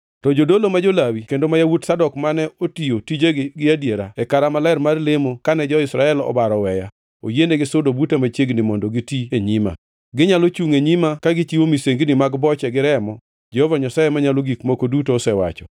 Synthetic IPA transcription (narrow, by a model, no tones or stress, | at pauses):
tɔd͡ʒodolomad͡ʒolawikendomajawutsadɔkmanɛotijotid͡ʒeɡɪadjeɾaɛkaɾamalaɪɾmarlemokanɛd͡ʒɔɪsɾaɛlɔ̰baɾɔwɛja | o̰jeneɡɪsʊdobutemat͡ʃjeɡnɪmɔndɔɡitieɲima̰ | ɡɪɲalot͡ʃuŋeɲimakaɡɪt͡ʃiwomiseŋɡnɪmaɡbɔt͡ʃɛɡɪɾɛmɔ | d͡ʒɛhovaɲasajemaɲaloɡikmokodutoːsɛwa̰t͡ʃɔ̥̰